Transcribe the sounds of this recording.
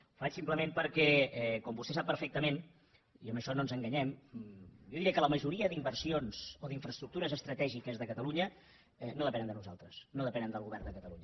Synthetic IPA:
fat͡ʃsimpləmempəɾkɛɛkɔmbust̪ɛsapːəɾfɛk̚t̪əmen | iəməʃɔnonzəŋɡəɲɛm | joðiɾɛəkələməʒuɾiəd̪imbərsionz̥oðiɱfɾəst̪ɾuk̚t̪uɾəzəst̪ɾət̪ɛʒikəzðəkət̪əluɲə | ɛnoðəpɛnənd̪ənuza̰lˠt̪ɾəsnoðəpɛnənd̪əlˠɣuβɛrnd̪əkət̪əluɲə

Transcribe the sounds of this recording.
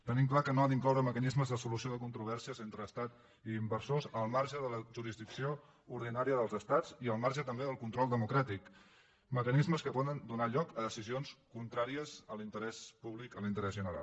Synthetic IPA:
t̪ənimklakənoaðiŋklɔwɾəməkənizməzðəsulusioðəkunt̪ɾuβɛrsiəzent̪ɾəːst̪at̪ | iːmbəɾsozəlˠmaɾʒəðələʒuɾizðiksio | uɾðinaɾiəðəlˠzəst̪ad͡ziəlˠmaɾʒət̪əmbeðəlˠkunt̪ɾɔlˠd̪əmukɾat̪ik | məkənizməskəpɔðənd̪unaʎɔkəðəsizionskunt̪ɾaɾiəzəlint̪əɾɛspuβlikəlint̪əɾɛzʒənəɾa̰lˠ

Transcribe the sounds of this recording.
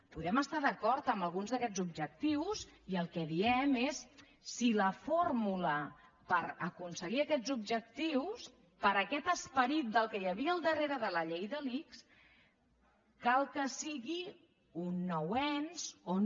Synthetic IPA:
puðɛməst̪aðəkɔɾt̪əmbəlˠɣunzðəkɛd͡zub̚ʒək̚t̪iwsiəlˠkɛðiɛmesː | iləfoɾmulə | pəɾəkunsəɣiəkɛd͡zubʒək̚t̪iws | pəɾəkɛt̪əspəɾit̪̚d̪əlˠkəjəβ̞iəːlˠd̪əreɾəðələʎejðəliks | kalˠkəsiɣi | unːɔwɛnz̥o

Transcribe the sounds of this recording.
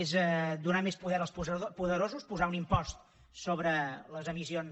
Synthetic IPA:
ezɛd̪unamespuðɛɾəlˠspupuðəɾozuspuzaunimpɔst̪̚ | soβɾələzəmision

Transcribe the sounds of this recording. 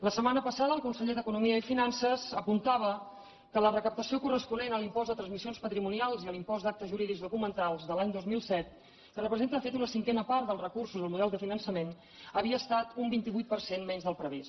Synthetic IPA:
ləsəmanəpəsaðəlˠkunsəʎeðəkunumiəifinansəzəpunt̪aβ̞ə | kələrəkəp̚t̪əsiokurəspunenəlimpɔzd̪ət̪ɾənzmisionspət̪ɾimunialˠziəlimpɔzd̪ak̚t̪əzʒuɾiðikzðukumənt̪alˠzðəlaɲd̪ozmilˠsɛt̪̚ | kərəpɾəzent̪əðəfet̪unəsiŋkɛnəpaɾt̪d̪əlˠrəkursuzəlˠmuð̞ɛlˠd̪əfinənsəmen | əβiəːst̪at̪umbint̪iβujt̪̚pərsenmɛɲzðəlˠpɾəβis

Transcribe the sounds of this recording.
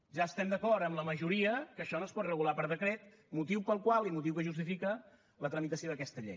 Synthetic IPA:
ʒaəst̪ɛmd̪əkɔɾt̪əmləməʒuɾiəkəʃɔnoəspɔt̪rəɣulapəɾðəkɾet̪ | mut̪iwpəlˠkwalˠimut̪̬iwkəʒust̪ifikə | lət̪ɾəmit̪əsioðəkɛst̪əʎḛj

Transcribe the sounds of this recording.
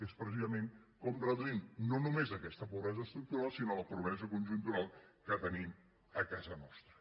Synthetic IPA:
espɾəsizəmen | kɔmrəðuimnonumezəkɛst̪əpuβɾɛzəːst̪ɾuk̚t̪uɾalˠsinoləpɾuβɾɛzəkunʲʒunt̪uɾalˠkət̪ənim | əkazənɔst̪ɾə

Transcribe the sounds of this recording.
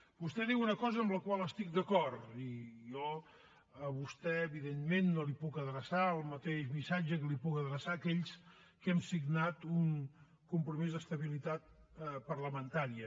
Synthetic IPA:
bust̪ɛðiwunəkɔzəəmbləkwaləst̪ik̚d̪əkɔrijɔ | əβust̪ɛəβiðenmenːolipukəðɾəsaəlˠmət̪eʃmisad͡ʒəkəlipukəðɾəsaːkɛʎs | kɛmsiɡnat̪uŋ | kumpɾumizðəst̪əβilit̪at̪̚pərləmənt̪aɾiə

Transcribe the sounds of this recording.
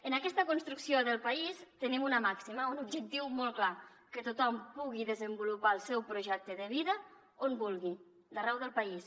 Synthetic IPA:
ənakɛst̪əkunst̪ɾuksioðəlˠpaist̪ənimunəmaksiməunubd͡ʒək̚t̪iwmolˠkla | kət̪ut̪ɔmpuɣ̞iðəzəmbulupaəlˠsɛwpɾuʒɛk̚t̪əðəβiðə | onbulˠɣi | d̪ərɛwðəlˠpais

